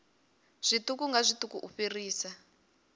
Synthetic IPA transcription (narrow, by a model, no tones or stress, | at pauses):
z̥ʷitukuŋɡazʷitukuʔuɸiriːsa